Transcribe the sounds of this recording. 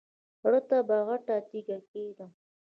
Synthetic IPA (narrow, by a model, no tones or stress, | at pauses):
ɽət̪abaɣaʈat̪iɡaked̪a